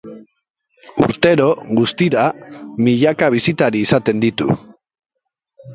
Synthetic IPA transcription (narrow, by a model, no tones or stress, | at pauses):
ṵɾt̪e̞ɾo̞ɣust̪iɾamiʎakaβ̞isit̪aɾiːsat̪e̞nd̪it̪ṵ